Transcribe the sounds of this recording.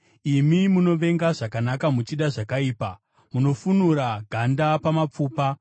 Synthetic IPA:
imimuno̞ʋe̞ŋɡaʐakanakamut͡ʃiɗaʐakaiːpa | muno̞funuɾaɡʱandapamap͡fuːpa

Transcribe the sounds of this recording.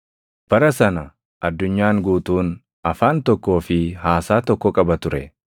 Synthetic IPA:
b̥ɐɾɐsɐnɐ | ʔɐd̪ːʊɲːaːŋɡuːt̪uːn | ɐfaːnt̪ɔkːo̞ːfɪɦaːsaːt̪ɔkːɔkʼɐbɐt̪ʊɾɛ

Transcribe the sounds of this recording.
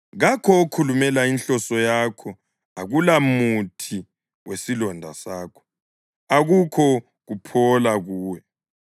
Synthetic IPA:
ɣakʰɔokʰulumɛlainɬɔsɔjakʰɔ | aɣulamutʰi | wʔesilɔndʱa̰saːkʰɔ̥ | aɣukʰɔ | ɣupʰɔlaɣuːwɛ

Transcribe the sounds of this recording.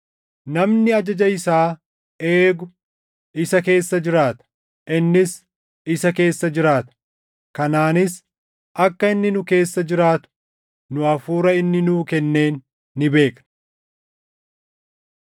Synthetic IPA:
nɐmnɪɐd͡ʒɐd͡ʒɐɪsaː | e̞ːɡʊ | ɪsɐke̞ːsːɐd͡ʒɪɾaːt̪ɐ̥ | ʔɪnːɪs | ɪsɐke̞ːsːɐd͡ʒɪɾaːt̪ɐ̥ | kɐnaːnɪs | ʔɐkːɐɪnːɪnʊke̞ːsːɐd͡ʒɪɾaːt̪ʊ̥ | nʊɐfuːɾɐɪnːɪnuːkɛnːe̞ːnː | ɪbe̞ːknɐ̥

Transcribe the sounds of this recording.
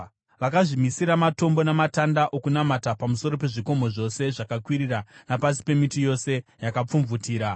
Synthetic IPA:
ʋakaʐimisiɾamato̞mbo̞namatandaʔo̞kunamatapamuso̞ɾo̞pe̞ʐiko̞mo̞ʐo̞se̞ʐakakwiɾiranapasi̥pe̞mitijo̞se̞jakap͡fuɱvutiːɾa

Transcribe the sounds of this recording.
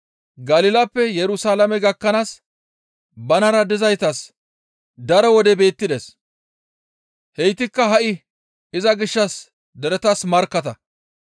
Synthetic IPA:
ɡɐlɪlɐpːɛjɛɾʊsaːlɐmɛɡɐkːɐnaːs | bɐnɐɾɐd̪ɪzɐjt̪ɐs | d̪ɐɾɔwɔd̪ɛbe̞ːt̪ːɪd̪es | hɛjt̪ɪkːɐɦɐʔɪ | ɪzɐɡɪʃːɐs | d̪ɛɾɛt̪ɐsmɐɾkːɐt̪ɐ

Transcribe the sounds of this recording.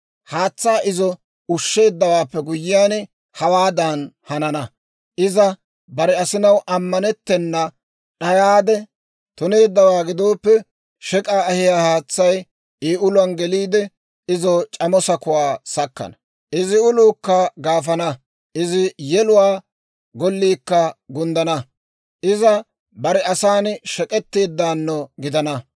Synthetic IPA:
haːt͡sːaːʔɪzɔ | ʊʃːe̞ːd̪ːɐwaːpːɛɡʊjɪjaːn | hɐwaːd̪anhɐnɐnɐ | ʔɪzɐ | bɐɾɛɐsɪnɐwʔɐmːɐnɛt̪ːɛnːɐ | ɗɐjaːd̪ɛ | t̪ʊne̞ːd̪ːɐwaːɡɪd̪o̞ːpːɛ | ʃɛkʼaːɐhɪjaːhaːt͡sːɐj | eːʊlʊɐnɡɛliːd̪ɛ | ɪzɔt͡ʃʼɐmɔsɐkʊwaːsɐkːɐ̰nɐ | ʔɪzɪʊluːkːɐɡaːfɐnɐ | ʔɪzɪjɛlʊwaː | ɡɔlːiːkːɐɡʊnd̪ɐnɐ | ʔɪzɐ | bɐɾɛɐsaːnʃɛkʼɛt̪ːe̞ːd̪ːaːnːɔɡɪd̪ɐnɐ

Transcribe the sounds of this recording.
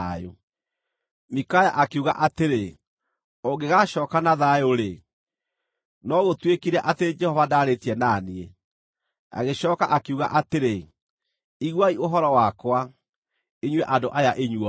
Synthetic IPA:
o̰ | mikajaʔakeuɣa̰ʔateɾe | oɡeɣaɕɔːkanaðajoɾe | nɔɣotwekiɾɛʔateɾed͡ʒɛhɔvadaːɾetiɛnanie | a̰ɣeɕɔːkaʔakeuɣa̰ʔateɾe | iɣwaioɦɔɾɔwakwa | eɲwɛʔandoʔajaʔeɲwɔ

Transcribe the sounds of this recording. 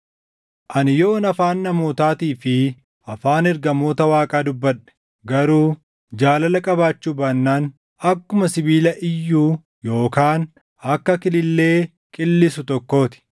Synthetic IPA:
ʔɐnɪjo̞ːnɐfaːnːɐmoːt̪aːt̪iːfɪ | ʔɐfaːnɛɾɡɐmo̞ːt̪ɐwaːkʼaːd̪ʊbːɐᶑɛ̥ | ɡɐɾuː | d͡ʒaːlɐlɐkʼɐbaːt͡ʃːuːbaːnːaːn | ɐkːʊmɐsɪbiːlɐʔɪjːuː | jo̞ːkaːn | ɐkːɐkɪlɪlːe̞ː | kʼɪlːɪsʊt̪ɔkːo̞ːt̪ɪ̥

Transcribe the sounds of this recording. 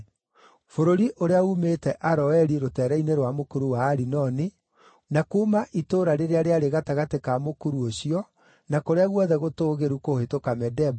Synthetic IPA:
foɾoɾiʔoɾeaumetɛʔaɾɔɛɾiɾotɛːɾɛineɾwamokuɾuwaːɾinɔni | nakuːmaʔitoɾaɾeɾeaɾeaɾeɣataɣatekamokuɾuoɕiɔ | nakoɾeaɣwɔðɛɣotoːɣeɾukohetokamɛdɛb

